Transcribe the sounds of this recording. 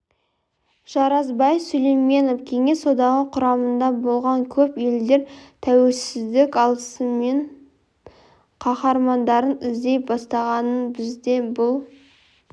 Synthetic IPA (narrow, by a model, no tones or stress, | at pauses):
ʒ̥ɑɾɑzbɑjfsɵlejme̞novkʲʰe̞ŋe̞so̞d̪ɑʁəqʰʊɾɑmənd̪ɑbo̞lˠʁɑŋkʲʰɵpe̞ld̪e̞ɾt̪ʰæwe̞lsɪzd̪ɪkʲɑlˠəsəme̞ɴ | qʰɑχɑɾmɑnd̪ɑɾənɪzd̪e̞jbɑst̪ɑʁɑnənbɪzd̪e̞bʊlˠ